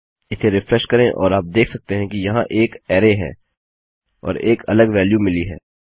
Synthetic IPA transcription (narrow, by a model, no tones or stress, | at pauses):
ɪsʰeɾɪfɾɛʃkɐɾẽʔɔ̰ːɾaːp̚d̪eːkʰsɐk̚t̪eɦɛ̃kijɐɦãʔeːkɛːɾeɦɛ̰ː | ɔ̰ːɾeːkɐ̰ləɡʋɛːljumɪliɦɛ̰ː